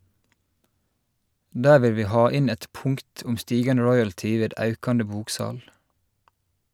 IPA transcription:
ˈdæːɹ ˈʋɪl ˈʋiː ˈhɑː ˈɪn ˈæɪt ˈpʊŋkt ˈʊm ˈstiːɡɑnə ˈɹɔʏəltɪ ˈʋeːd ˈɑʉkɑnə ˈbuːkˌsɑːl

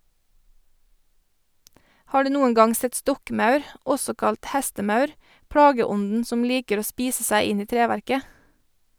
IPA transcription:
ˈhɑː ˈɖʉː ˈnuːən ˈɡɑŋ ˈsɛt ˈstɔkˌmɑʉɾ ˈʔɔsɔ ˈkɑlt ˈhæstəˌmɑʉɾ ˈpɽɑːɡəˌɔnn̩ ˈsɔm ˈliːkəɾ ˈoː ˈspiːsə ˈsæɪ ˈɪn ˈiː ˈtɾeːʋæɾkə

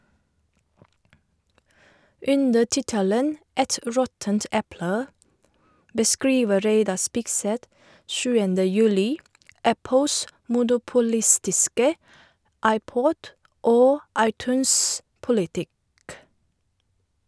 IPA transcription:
ˈʉndə ˈtɪtələn ˈɛt ˈɾɔtənt ˈɛplə bəˈskɹiːʋə ˈɾeɪdɑ ˈspɪkˌsɛt ˈʃʉːəndə ˈjʉːlɪ ˈæpl̩s mʊnʊpʊˈlɪstɪskə ˈɑɪˌpɔd ˈoː ˈɑɪˌtʉːnspʊlɪˌtɪk

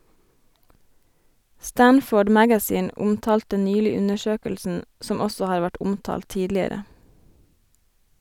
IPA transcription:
ˈstænfoːɖ ˈmæɡæˌsiːn ˈʊmtɑːltə ˈnyːlɪ ˈʉnəˌʃøːkəlsn̩ ˈsɔm ˈɔsɔ ˈhɑːɾ ˈʋæʈ ˈʊmtɑːl ˈtiːdlɪəɾə

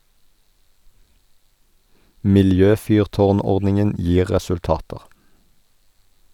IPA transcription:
mɪlˈjøːˌfyːʁˌtoːʁˌnɔʁdnɪŋən ˈjiː ʁɛsʉlˈtɑːtəʁ

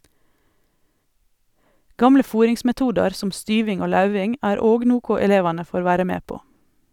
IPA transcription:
ˈɡɑmlə ˈfuːɾɪŋsmɛˌtuːdɑɾ ˈsɔm ˈstyːʋɪŋ ˈoː ˈlɑʉʋɪŋ ˈæːɾ ˈoːɡ ˈnuːkʊ ɛˈleːʋɑnə ˈfoːɾ ˈʋæːɾə ˈmeː ˈpoː

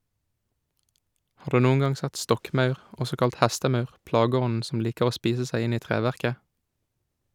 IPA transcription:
ˈhɑː ˈdʉː ˈnuːŋ̍ ˈɡɑŋ ˈsɛt ˈstɔkˌmɑʉʁ ˈɔsɔ ˈkɑlt ˈhæstəˌmɑʉʁ ˈplɑːɡəˌɔnn̩ ˈsɔm ˈliːkəʁ ˈoː ˈspiːsə ˈsæɪ ˈɪn ˈiː ˈtʁeːʋæʁkə

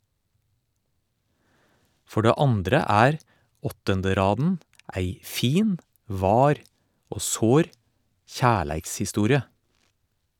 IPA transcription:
ˈfɔ ˈɖeː ˈɑndɾə ˈæːɾ ˈɔtəndəˌɾɑːdn̩ ˈæɪ ˈfiːn ˈʋɑːɾ ˈoː ˈsoːɾ ˈçæːɭæɪkshɪˌstuːɾɪə

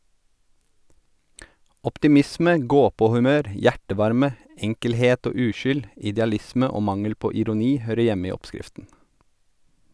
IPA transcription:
ɔptɪˈmɪsmə ˈɡoːˌpoːhʉˌmøːɾ ˈjæʈəˌʋɑɾmə ˈɛŋkəlˌheːt ˈoː ˈʉːˌʃʏl ɪdɛɑˈlɪsmə ˈoː ˈmɑŋəl ˈpoː ɪɾʊˈniː ˈhøːɾə ˈjɛm ˈiː ˈɔpˌskɪftn̩

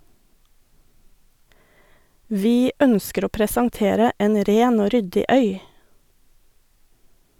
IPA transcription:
ˈʋiː ˈœnskəɾ ˈoː pɾəsɑŋˈteːɾə ˈeːn ˈɾeːn ˈoː ˈɾʏdɪ ˈœʏ

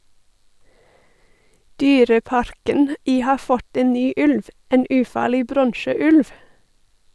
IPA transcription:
ˈdyːɾəˌpɑɾkən ˈiː ˈhɑː ˈfɔt ˈeːn ˈnyː ˈʉlʋ ˈeːn ˈʉːˌfɑːɭɪ ˈbɾɔɳʃəˌʉlʋ

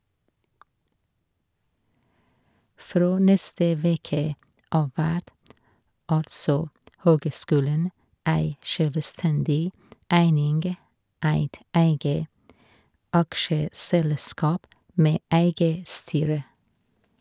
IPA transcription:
ˈfɾoː ˈnɛstə ˈʋeːkə ˈɑː ˈʋæʈ ˈɑlsɔ ˈhøːɡəˌskʉːlɳ̩ ˈæɪ ˈʃøːlʋəˌstɛndɪ ˈæɪnɪnɡ ˈæɪt ˈæɪɡə ˈɑkʃəsɛlˌskɑːp ˈmeː ˈæɪɡə ˈstyːɹə

